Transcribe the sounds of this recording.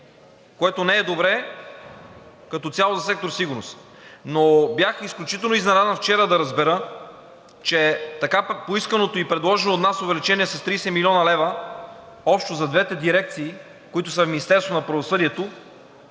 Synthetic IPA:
koɛt̪onɛːd̪obɾɛ | kɐt̪ɔt̪sʲalˠozɐsɛk̚t̪oɾsiɡʊɾno̰s | nobjaxisklʲut͡ʃit̪ɛlˠnoiznɛɾad̪ɛnft͡ʃɛɾəd̪ɐɾɐzbɛɾə | t͡ʃɛt̪ɐkapoiskənot̪oipɾɛd̪lˠɔʒɛnoːt̪nasovɛlit͡ʃɛniɛsɐst̪ɾiːsɛmilʲɔnɐlɛvə | ɔpʃt̪ozɐd̪vɛt̪ɛd̪iɾɛk̚t̪siː | koit̪ʊsəfmʲinist̪ɛɾst̪vonɐpɾɐvosɤd̪iɛt̪o

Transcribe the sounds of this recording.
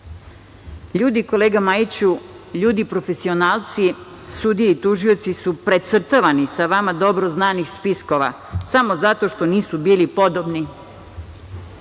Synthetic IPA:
ʎuːd̪iko̞leːɡamajit͡ɕu | ʎuːd̪ipɾo̞fe̞sio̞naːlˠt̪si | sud̪ijeit̪uʒio̞t̪sisupɾet̪sr̩t̪aʋanisaʋamad̪o̞bɾoznaːnixspisko̞ʋa̰ | samo̞zat̪o̞ʃt̪o̞niːsubiːlipo̞d̪obni

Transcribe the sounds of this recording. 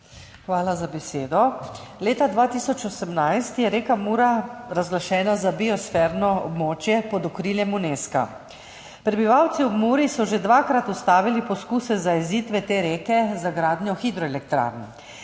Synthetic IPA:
xʋaːlazabɛseːd̪ɔleːt̪ad̪ʋaːt̪isɔt͡ʃɔsəmnajst̪jɛɾeːkamuːɾaɾazɡlaʃɛːnazabiɔsfɛːɾnɔɔ̰bmoːt͡ʃjɛpɔd̪ɔkɾiljɛmuneska̰ | pɾɛbiʋawt̪siɔbmuːɾisɔʒed̪ʋaːkɾat̪ust̪aːʋilipɔskuːsɛzaiziːt̪ʋɛt̪eːɾeːkɛzaɡɾaːd̪njɔxid̪ɾɔɛlɛkt̪ɾa̰ːɾnɛ

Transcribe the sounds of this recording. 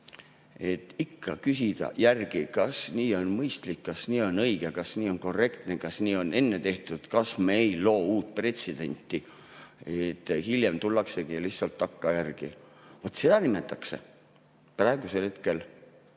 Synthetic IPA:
e̞t̪ːˑikʰːɑkys̬ʲid̪̥ɑ̰jærɡ̥ikɑsniːo̞nmɤjst̪likːɑsniːo̞nɤjɡ̥ekɑsniːo̞nko̞rːe̞kt̪nekɑsniːo̞ne̞nːe̞t̪e̞ht̪ud̪̥kɑsmeejlo̞ːuːt̪̚ˑpre̞t̪sed̪̥e̞̰nʲt̪ːˑi | et̪ːˑhilje̞mt̪ulːɑkse̞ɡ̥ijɑlihsɑlt̪ːɑkːɑjærɡ̥ḭ | vot̪ːse̞d̪̥ɑnime̞t̪ːˑɑkse̞ | prɑe̞ɡ̥use̞lhe̞t̪ke̞l

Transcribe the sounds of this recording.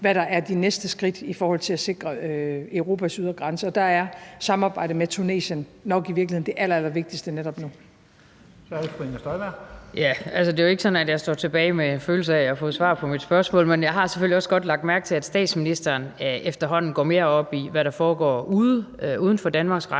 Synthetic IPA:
ʋæɾ̥ɑ̈ʔæɐd̥inesd̥əsɡ̥ʁid̥ifɒːhɒ̽l̰t͡sʰe̝læse̝ɡ̥ʁɐøøʊʁo̝ːpʰæsyð̞ˠɐɡ̥ʁɑ̈nsəɒ̽d̥ɑ̈æɐsɑ̈mɑ̈ːb̥ɑ̈ɪ̰ɾ̥əmet͡sʰune̝̰ːɕənːɒ̽ɡ̥iʋiɐɡ̥liheð̰ˠnd̥e̝ʔælɐælɐʋe̝ɡ̥̚d̥isd̥əned̥ɾɒ̽b̥nu | sɒ̥efʰeŋɐsd̥ɒɪʋæɐ̰jæælsəd̥e̝joe̝ɡ̥sɒ̽næd̥jɑ̈ɪsd̥ɒ̰ːt͡sʰe̝b̥ɛːɪmeenføːl̩səæɒfɔ̰ːðˠsʋɑ̰̈ːpʰɒ̽mid̥sb̥ɶɐsmɔ̰ːlmenjɑ̈ɪɦɑ̈se̥føliɒ̽sɡ̥ɒ̽d̥lɑ̈ɡ̥d̥mæɐɡ̥̚t͡sʰe̝læd̥sd̥ɛ̰ːd̥sminisd̥ɐːnefd̥ɐɦɒ̽n̰n̩ɡ̥ɒ̰ːme̝ːɐɒ̽b̥iʋæɾɑ̈fɒːɡ̥ɒ̰ːuðˠuːð̞ˠn̩fɒd̥ænmɑ̈ːɡ̥sɡ̥ʁɑ

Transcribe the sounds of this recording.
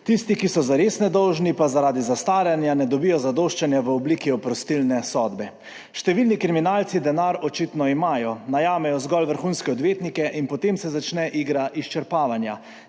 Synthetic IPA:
t̪ist̪ikisɔzaɾesnɛd̪ɔwʒnipazaɾaːd̪izast̪aːɾjanjanɛd̪ɔbijɔzad̪oʃt͡ʃanjaʋəɔblikiɔpɾɔst̪ilnɛsɔd̪bɛ | ʃt̪ɛʋilnikɾiminaːlt̪sid̪ɛnaɾɔt͡ʃit̪nɔimaːjɔnajaːmɛjɔzɡɔlʋəɾxuːnskɛɔd̪ʋeːt̪nikɛʔinpɔt̪emsɛzat͡ʃnɛʔiːɡɾaʔist͡ʃɛɾpaːʋanja̰

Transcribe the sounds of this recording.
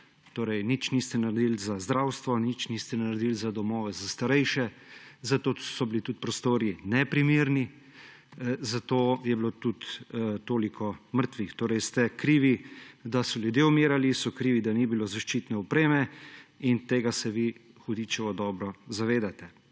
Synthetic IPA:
t̪oːɾɛjnit͡ʃnist̪ɛnaɾɛd̪ilzazd̪ɾawst̪ʋɔnit͡ʃnist̪ɛnaɾɛd̪ilzad̪ɔmɔːʋɛzast̪aɾɛjʃɛ | zat̪oːsɔbilit̪ut̪̚pɾɔst̪oːɾinɛpɾimiːɾni | zat̪oːjɛblot̪ut̪t̪oːlikʰɔməɾt̪ʋixt̪oːɾɛjst̪ɛkɾiːʋid̪asɔljud̪jeumeːɾalisɔkɾiːʋid̪anibilozaʃt͡ʃiːt̪nɛɔpɾeːmɛint̪eːɡasɛʋi | xʊd̪it͡ʃɛʋɔd̪ɔːbɾɔzaʋeːd̪at̪ɛ

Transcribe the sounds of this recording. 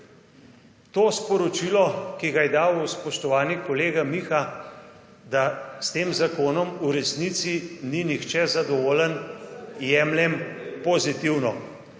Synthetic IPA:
t̪oːspɔɾɔt͡ʃilɔkiɡajɛd̪aːwuspɔʃt̪ɔʋaːnikɔleːɡamixa | d̪ast̪eːmzakoːnɔmuɾɛsnit̪sininixt͡ʃɛzad̪ɔʋoːlənjɛːmljɛmpɔzit̪iwnɔ

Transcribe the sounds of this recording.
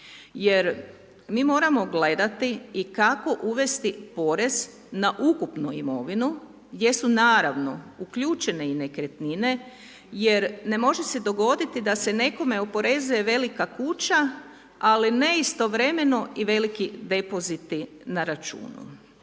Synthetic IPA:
je̞ɾ | miːmo̞ːɾamo̞ɡle̞d̪at̪iːkako̞ʔuʋe̞st̪ipo̞ɾe̞z̥ | naʔukupnuimo̞ʋinu | ɡd̪je̞sunaːɾaʋno̞ukʎuːt͡ʃe̞ne̞ine̞kɾet̪nine̞ | je̞ɾne̞mo̞ʒesed̪o̞ɡo̞d̪it̪id̪ase̞ne̞ko̞me̞opo̞ɾe̞zuje̞ʋe̞likakut͡ɕa | aline̞ist̪o̞ʋɾe̞me̞no̞iʋe̞likid̪e̞po̞zit̪i | naɾat͡ʃṵːnṵ

